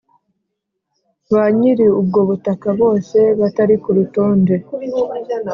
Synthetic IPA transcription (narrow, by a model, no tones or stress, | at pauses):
βaɲiɾiub̚ɡo̞βutakaβo̞ːse̞βataɾikuɾutoːnde̞